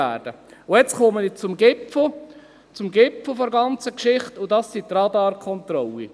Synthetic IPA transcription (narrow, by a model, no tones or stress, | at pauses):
æːɾd̥ə | ʊjɛt͡sχomənɪt͡sʊmɡɪpfl | t͡sʊmɡɪpfl̩fɔɾɡɑnt͡səkʃɪχtʊdɑsːit̪rɑdɑːɾkχɔnt̪ɾɔlːi